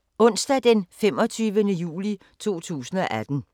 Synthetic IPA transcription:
ɔ̽n̰sd̥ɛd̥enfemɒ̽t͡sʰyːʋənəjṵːli | t͡sʰo̝̰ːt͡sʰṵːsn̩ɒ̽ʔæd̥n̩

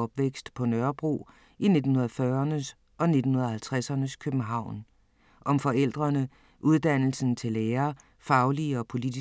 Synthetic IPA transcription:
ɒ̽b̥ʋeɡ̥sd̥pʰɒ̽nɶɐb̥ʁo̝̰ː | ine̝d̥n̩hunɐðˠfɶːɐɐnəs | ɒ̽ne̝d̥n̩hunɐðˠhælt͡sʰʁasɐnəskʰøb̥n̩ɦɑ̈ʊ̰n | ʔɒ̽mfɒ̽el̰d̥ʁɐnə | ʔuð̞ˠd̥æn̰l̩sn̩t͡sʰe̝leːɐ | fɑ̈ʊliɒ̽pʰo̝lid̥i

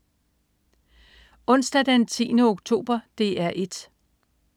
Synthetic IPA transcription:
ɔ̽n̰sd̥æd̥ent͡sʰḭːnəoɡ̥t͡sʰo̝̰ːb̥ɐd̥e̝æɐʔe̝d̥

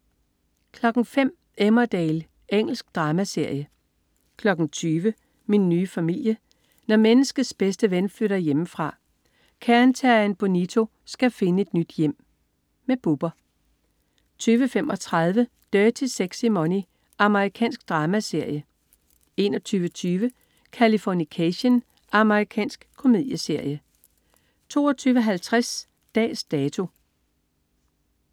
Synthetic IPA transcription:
kʰlɒ̽ɡ̥ŋ̩fem̰ | emɐd̥ɛːl | ʔeŋ̰l̩sɡ̥d̥ʁɑ̈ːmæse̝ɐ̰jə | kʰlɒ̽ɡ̥ŋ̩t͡sʰyːʋə | minːyːfæmil̰jə | nɒmenəsɡ̥əð̩ˠsb̥esd̥əʋenfløɾ̥ɐjeməfʁɑ̈ | kʰæɐnt͡sʰæɐænb̥o̝nit͡sʰo̝ | sɡ̥æfe̝nəe̝d̥nyd̥jem̰ | meb̥ub̥ɐ | t͡sʰyːʋəfemʔɒ̽t͡sʰʁɑð̞ˠʋə | d̥œːt͡sʰe̝seɡ̥simoni | ʔɑ̈məʁikʰɛ̰ːnsɡ̥̚d̥ʁɑ̈ːmæse̝ɐ̰jə | e̝nɒt͡sʰyːʋət͡sʰyːʋə | kʰælifɒnikʰæɕən | ʔɑ̈məʁikʰɛ̰ːnsɡ̥kʰːo̝me̝ð̰ˠjəse̝ɐ̰jə | t͡sʰo̝̰ːɒt͡sʰyːʋəɦælt͡sʰʁas | d̥ɛ̰ːsd̥ɛːt͡sʰo̝

